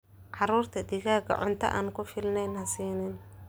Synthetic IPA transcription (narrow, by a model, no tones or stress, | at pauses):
ʕɑɾuːrt̪ʰɐd̪ɪɣaːɡɐ̰ʕʊ̰nt̪ʰɐ̰ʔa̰ːnkʰʊfɪlnɛjnɐsiːnɪn